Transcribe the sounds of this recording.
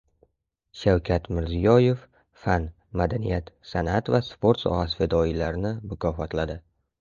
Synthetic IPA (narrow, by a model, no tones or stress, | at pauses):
ʃawkʲʰat̪mɪɾzijɒje̞fː | an | mad̪anijat̪sanat̪vaspʰo̞ɾt̪sɒ̰hasfed̪ɒilaɾɪnɪmʊkʲʰɒfɒt̪ʰlad̪ɪ